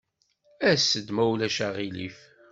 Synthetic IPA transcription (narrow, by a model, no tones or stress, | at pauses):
æsːəd̪mæwlæʃæʁilif